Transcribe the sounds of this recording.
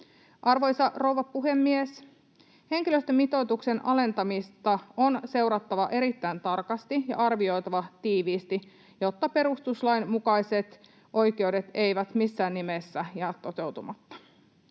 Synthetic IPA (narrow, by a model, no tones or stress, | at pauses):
ʔɑrʋo̞jsɑʔro̞wʋɑpuɦe̞mːies | he̞ŋk̟iløst̪ømːit̪o̞jt̪ukse̞nɑle̞nt̪ɑmist̪ɑo̞nse̞wɾɑt̪ːɑʋɑʔe̞ɾit̪ːæjnt̪ɑrkɑst̪ijɑ̰ʔɑrʋio̞jt̪ɑʋɑt̪iːʋiːst̪i | jo̞t̪ːɑpe̞ɾust̪uslɑjnmukɑjse̞t̪ | ʔo̞jkewde̞t̪e̞jʋæt̪misːæːnːimesːæjɑːt̪ːo̞t̪e̞wt̪umɑt̪ːɑ̥